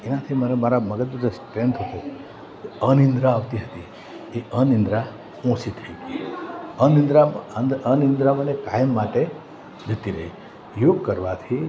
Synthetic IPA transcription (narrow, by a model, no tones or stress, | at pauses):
enat̪ʰiməɾemaɾaməɡət̪ud͡ʒəsʈɾẽnt̪ɦət̪o | keənĩnd̪ɾaːʋt̪iɦət̪i | eʔənɪ̃nd̪ɾa | ɔ̃sit̪ʰəikiənɪ̃nd̪ɾanənɪ̃nd̪ɾamənekajəmːaʈe | d͡ʒʱət̪iɾəɦḭ | joɡ̚kəɾʋat̪ʰi